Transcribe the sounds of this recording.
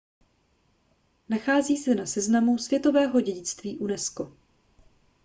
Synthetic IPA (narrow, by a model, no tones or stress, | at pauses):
naxaːziːsɛnasɛznamusv̥jɛt̪o̞vɛːɦo̞ɟɛɟɪt͡st̪viːʔunɛsko